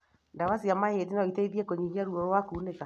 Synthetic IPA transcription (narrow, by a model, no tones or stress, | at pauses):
ndawasiamahetinaɔiteiðiɛkoɲihiaɾuɔɾwakuːneka